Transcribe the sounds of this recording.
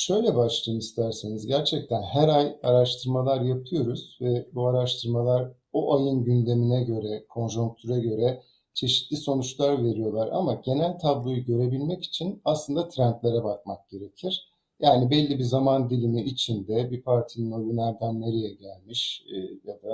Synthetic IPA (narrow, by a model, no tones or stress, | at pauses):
ʃø̞jlʲɛbaʃlˠɯjnist̪ʰæɾsenizɟæɾt͡ʃʰɛc̚t̪ʰænhæɾajaɾaʃt̪ʰɯɾmalˠaɾjapʰˠɯjo̞ɾuz̥vɛbuaɾaʃt̪ʰɯɾmalˠaɾ | oʔajɯnɟynd̪e̞minɛɟø̞ɾɛkʰo̞nʒuŋk̚t̪ʰyɾaɟø̞ɾɛ | t͡ʃʰe̞ʃi̥t̪lʲiso̞nut͡ʃlˠaɾve̞ɾijo̞lˠaɾa̰maɟe̞nælʲt̪ʰablˠujɯɟø̞ɾe̞bilʲmɛci̥t͡ʃʰinaslˠɯnd̪at̪ʰɾænt̪lʲe̞ɾɛbak̚mak̚ɟ̥e̞ɾe̞cʰiɾ̥ | jaːnibɛlʲːibizamand̪ilʲimiːt͡ʃʰind̪ɛbipʰaɾt̪ʰininojunæɾd̪ænːeɾijɛɟælʲmiʃjad̪a